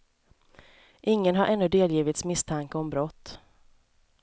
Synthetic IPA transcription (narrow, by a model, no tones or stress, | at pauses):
ʔɪŋːənɦaɾʔɛnːɵd̪eːljiːvɪt̪smɪst̪ʰaŋkəɔmbɾɔt̪ː